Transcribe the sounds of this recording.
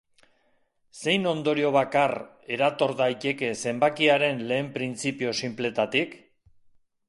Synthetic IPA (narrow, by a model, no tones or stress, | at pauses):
se̞jno̞nd̪o̞ɾio̞β̞akar | e̞ɾat̪o̞ɾðajt̪e̞ke̞se̞mbakiaɾe̞nle̞ːmpɾint͡sipio̞simple̞t̪at̪ik